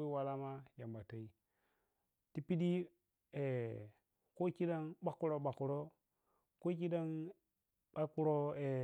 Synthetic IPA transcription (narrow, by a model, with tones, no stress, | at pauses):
i˦wa˨la˦ma˦ja˨mba˨ta˨i˦ | ti˦pi˦di˦ | e˨ | ko˦ki˦da˦ŋɓa˦kːu˦ɾo˦ɓa˨ku˨ɾo˦ | ko˦ki˦da˦ŋ | ɓa˦ku˦ɾo˦e˨